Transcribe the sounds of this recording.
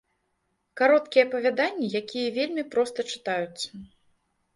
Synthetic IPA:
kaɾɔt̪kʲiɛːpɐvʲad̪anʲːijakʲijɐvʲelʲmʲipɾɔst̪ɐt͡ʂɨ̥t̪ajut̪sɐ

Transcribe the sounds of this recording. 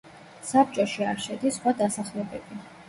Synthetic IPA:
sap̚ʰt͡ʃʼɔʃiaɾʃɛd̪isχwad̪asaχlɛbɛb̥i

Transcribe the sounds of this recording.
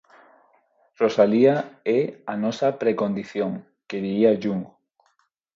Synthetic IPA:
rosaliaɛanɔsapɾekond̪iθjoŋ | keðiiaʒuŋɡo

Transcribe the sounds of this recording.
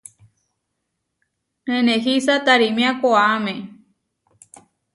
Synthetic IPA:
ẽnẽɦisat̪aɾimĩãkoaamẽ

